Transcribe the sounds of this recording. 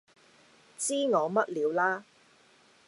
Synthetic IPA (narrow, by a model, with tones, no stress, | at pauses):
t͡siː˥ŋɔː˨˧mɐ˥t̚liː˨˧wlaː˥